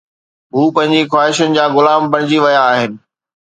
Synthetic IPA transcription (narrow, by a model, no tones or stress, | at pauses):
ɦuːpɐ̃ɦɪ̃ɲd͡ʑixwaːɦɪʃənɪ̆d͡ʑaːɣʊlaːmbɐɽ̃ɪd͡ʑiʋɐjaːɦɪnɪ̆